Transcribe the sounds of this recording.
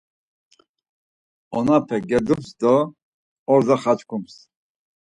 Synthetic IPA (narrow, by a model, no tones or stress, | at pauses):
ɔnapʰɛɡɛd̪upsd̪ɔ | ɔɾd̪aχat͡ʃkʰums